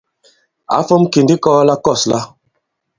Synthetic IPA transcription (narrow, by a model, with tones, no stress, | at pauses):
a̰˨˦fo˦mki˨ndi˦kɔ˦la˦kɔ˦˨sla˦